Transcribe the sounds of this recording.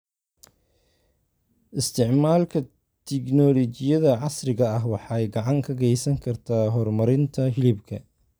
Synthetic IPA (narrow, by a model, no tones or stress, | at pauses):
ʔɪst̪ʰɪʕmaːlkʰɐ | t̪ʰɪknɔlɔt͡ʃɪjɐðɐʕɑsrɪɣɐɐɦwɑħɑːɛjɡɑʕɑŋkʰɐɣɛjsɐŋkʰɐrt̪ʰaːɦɔrmɐɾɪnt̪ʰɐɦɪlɪbkʰɐ